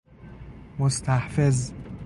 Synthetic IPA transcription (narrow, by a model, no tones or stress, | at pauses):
most̪ʰæhfez